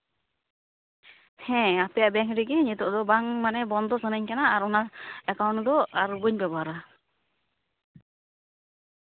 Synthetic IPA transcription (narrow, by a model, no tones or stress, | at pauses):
hɛ̃apɛjaʔbɛŋɾiɡɛɲit̪ɔʔd̪ɔbaŋmanɛbɔnd̪ɔsənəɲkanaaːɾɔnaɛkawnd̪ɔaɾubəɲbɛbaɾa